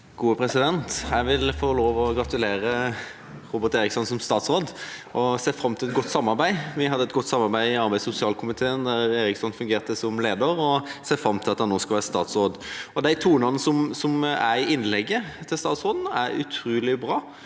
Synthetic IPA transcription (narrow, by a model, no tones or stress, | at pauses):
ɡ̥uːəpʰɾɛsɪd̪ɛnt̪hæʋɪlfoːloːʋɔɡɾɑt̪ʉleːɾə | ɾuːbəɾt̪eːɾɪksɔnsɔmst̪ɑːt̪sʁoːd̪ʔɔseːfɾɑmːt̪ʰɪlɛt̪̚ɡɔt̪ːsɑmːɑɾbæɪʋɪhɑd̪ːəɛt̪ɡɔt̪ːsɑmːɑʁbæɪɪɑɾbæɪsʊsɪɑːlkʰʊmɪt̪ʰeːənd̪æɾeːɾɪksɔnfʉŋɡeːʁt̪əsɔmleːd̪əɾɔseːfɾɑmt̪ʰɪlɑt̪hɑnːoːskɑlʋæːʁəst̪ɑ̰ːt̪sʁoːd̪ɔd̪æɪt̪ʰuːnɑnəsɔmsɔmæɪɪnːlɛɡːət̪ʰɪlst̪ɑːt̪sʁoːd̪n̩æɾʉ̰t̪ʰɾuːlɪbɾɑː